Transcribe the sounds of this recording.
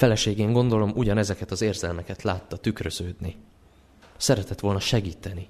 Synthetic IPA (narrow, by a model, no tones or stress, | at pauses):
fɛlɛʃeːɡeːŋɡo̞nd̪o̞lo̞mʔuɟɒnɛzɛkɛt̪ɒzeːrzɛlmɛkɛt̪laːt̪ːɒt̪ykrøz̥øːd̪ni | sɛɾɛt̪ɛt̪ʋo̞lnɒʃɛɡiːt̪ɛni